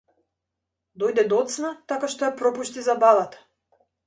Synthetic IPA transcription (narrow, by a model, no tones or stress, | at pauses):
d̪ɔjd̪ɛd̪ɔt̪snat̪akaʃt̪ɔjapɾɔpuʃt̪izabalˠat̪ḁ